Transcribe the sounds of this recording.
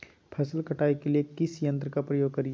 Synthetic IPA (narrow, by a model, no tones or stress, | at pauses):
pʰɐsəlkɐʈʰaːikeliekɪsjɐ̃nt̪ɾəkapɾɐjoːɡ̚kɐɾij